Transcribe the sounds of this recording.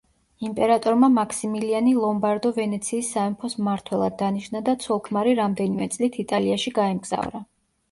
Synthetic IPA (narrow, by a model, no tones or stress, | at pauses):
impʼɛɾat̪ʼɔɾmamakʰsimilianilˠɔmbaɾd̪ɔvɛnɛt̪sʰiːsːaɛmpʰɔsmːaɾt̪ʰwɛlˠa̰d̪̚ːaniʃnad̪at̪sʰwɔlˠkʰmaɾiɾamd̪ɛnimɛt̪sʼlit̪ʰit̪ʼaliaʃiɡaɛmɡz̥a̰vɾa